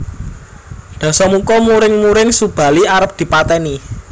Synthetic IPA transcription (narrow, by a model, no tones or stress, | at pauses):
ɖ̪̥ä̤sɔmukɔmuɾɪŋmuɾɪŋsub̥ä̤liaɾəp̚d̪̥i̤pat̪ɛni